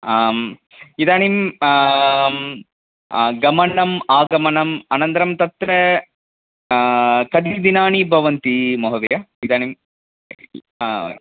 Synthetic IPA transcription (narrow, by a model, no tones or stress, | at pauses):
am | id̪aːnim | ɡɐmɐnɐmaːɡɐmɐɳɐmɐnɐnt̪ɐɾɐmt̪ɐt̪ɾɐ | kɐd̪id̪inaːɳibʱɐʋɐnt̪imɐɦɐd̪ɐjaid̪aːɳim